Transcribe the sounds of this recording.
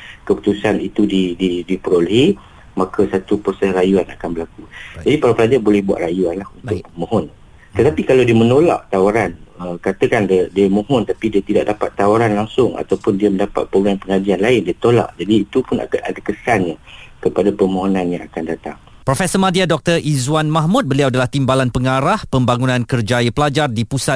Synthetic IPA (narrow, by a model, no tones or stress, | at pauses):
kəpu̥t̪usanit̪udididipəɾolehi | makasat̪upɾosɛsrajuana̰kanbəlakud͡ʒadipaɾapəlad͡ʒarbolɛhbua̰ʔ̪rajuanlahunt̪ʊk̚pəmõɦɔn | t̪ət̪apikalawdiəmənola̰ʔt̪awaɾanəkat̪əkanddiəmõɦɔnt̪apidiat̪ida̰ʔ̚dapat̪ːawaɾanlaŋsʊŋa̰t̪awpʊndiəməndapa̰t̪̚pɾoɡɾampəŋadianlaɪndiat̪ola̰ʔd͡ʒadiːt̪upʊna̰a̰dakəsanɲakəpadapəmoɦonãnjã̰ŋakandat̪a̰ŋ | pɾofɛsəmadiadɔk̚t̪ərʔizwanmahmut̪̚bəliawadalaht̪imbalanpəŋaɾahpəmbaŋunãnkərd͡ʒajəpəlad͡ʒardipusa